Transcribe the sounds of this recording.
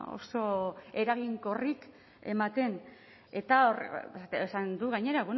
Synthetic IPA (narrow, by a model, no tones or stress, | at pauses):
o̰so̞e̞ɾaɣiŋko̞rik | e̞̰mat̪e̞n | e̞t̪aoresand̪uɣaɲe̞ɾaβon